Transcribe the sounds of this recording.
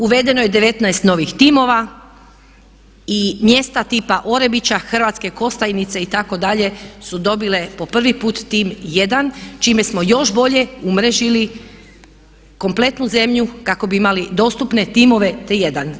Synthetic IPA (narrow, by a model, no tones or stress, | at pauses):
uʋe̞d̪e̞no̞jed̪e̞ʋe̞t̪najst̪no̞ʋixt̪imo̞ʋa | imje̞st̪at̪iːpaʔo̞ɾe̞bit͡ɕaxr̩ʋat̪ske̞ko̞st̪ajnit̪se̞it̪ako̞d̪aʎe̞sud̪o̞bile̞po̞pr̩ʋipuːt̪ːimje̞d̪ant͡ʃime̞smo̞jo̞ʃbo̞ʎe̞umɾe̞ʒili | ko̞mplet̪nuze̞mʎukako̞biimalid̪o̞ːst̪upne̞t̪imo̞ʋe̞t̪eje̞d̪an